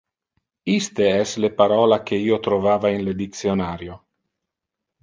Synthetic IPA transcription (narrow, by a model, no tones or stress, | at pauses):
ist̪eɛslepaɾɔːlakeiːot̪ɾovaːvainled̪it̪sjonaːɾjo